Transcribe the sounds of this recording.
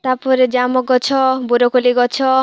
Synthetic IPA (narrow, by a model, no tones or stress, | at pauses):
t̪apɔɾed͡ʒamɔɡɔt͡ʃʰɔbuɾɔkoliɡɔt͡ʃʰɔ